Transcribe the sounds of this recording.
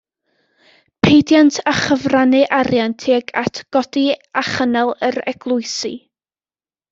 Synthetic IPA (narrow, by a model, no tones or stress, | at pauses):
pʰejdjantʰaχəvranɨʔaɾjantʰeːɡatʰɡ̥ɔdiaχənɛlˠəɾɛ̰ɡ̥lˠʊɨsḭ